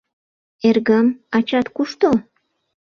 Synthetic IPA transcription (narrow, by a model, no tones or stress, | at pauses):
erɣəmɑt͡ɕɑt̪kuʃt̪o